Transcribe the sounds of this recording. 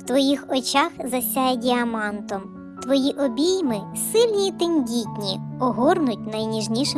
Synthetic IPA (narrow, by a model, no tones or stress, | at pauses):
wt̪ʋɔjixɔt͡ʃaxzɐsʲajɛdʲiɐmɑnt̪ɔm | t̪ʋɔjiʔɔbʲijmɪssɪlʲnʲiːt̪ɪnʲdʲitʲnʲiɔɦɔrnʊtʲnɐjnʲiʒnʲiʃɪ